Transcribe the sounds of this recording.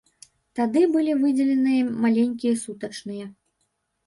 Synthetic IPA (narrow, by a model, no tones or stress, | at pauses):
t̪ad̪ɨbɨlʲivɨd͡zʲɛlʲɛnɨjɐmalʲenʲkʲijɐsut̪ɐt͡ʂnɨjɛ